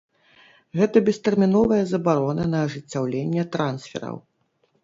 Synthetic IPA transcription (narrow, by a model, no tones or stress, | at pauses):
ɣɛt̪ɐbʲɛst̪ɛrmʲinɔvɐjɐzɐbaɾɔnɐnɐːʐɨt͡sʲːawlʲenʲːɛt̪ɾansfʲɛ̰ɾɐ̰w